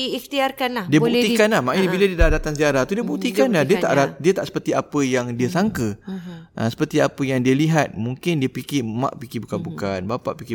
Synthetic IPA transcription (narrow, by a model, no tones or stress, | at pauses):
iixt̪iarkanladiəbbuikanlahmaʔibiladiədadat̪aŋsiaɾaht̪udiəbut̪ikanladiət̪aʔɾat̪̚diət̪aʔsə̥pərt̪iapəjaŋdiəsaŋkəʔə̰sə̥pərt̪iapəjaŋdiəliɦat̪̚mũŋkɪndiəpikimã̰ʔpikibukanbukanbapa̰ʔpiki